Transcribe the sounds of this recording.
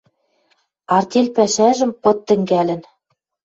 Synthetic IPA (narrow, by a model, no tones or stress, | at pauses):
ɑrt̪ʲelʲpæʃæʒɘ̆mpɤ̆t̪ːɘ̆ŋɡælɘ̆n